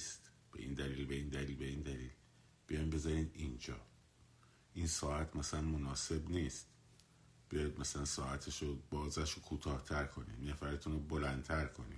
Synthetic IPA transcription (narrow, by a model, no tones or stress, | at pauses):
st̪ | b̥e̞̰ʔḭːnd̪æliːlbe̞iːnd̪æliːlbe̞iːnd̪æliːl | b̥ijɒjmbe̞zɒɾiːd̪ind͡ʒɒː | ʔinsɒːæt̪ʰmæsælænmo̞nɒːse̞bniːst̪ | b̥ijɒjd̪̚mæsælænsɒːʔæt̪ʰeʃobɒːzæʃokʰuːt̪ʰɒːht̪ʰæɾkʰo̞nḭnæfæɾet̪ʰunobolæn̚t̪ʰæɾkʰo̞nḭ̥